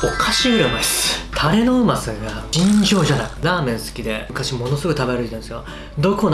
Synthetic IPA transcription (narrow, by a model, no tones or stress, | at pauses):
okʰaɕiɯɾɯmaist̪ʰaɾe̞no̞ɯmasɨɡaĩɰ̃çʲo̞ːʑanaid̪aːmẽ̞ɰ̃sɨ̥kʲid̪e̞̰ɯ̟kaɕimo̞no̞sɨɡo̞kit̪abeɾɯit̪ãnsɨjo | d̪o̞ko̞n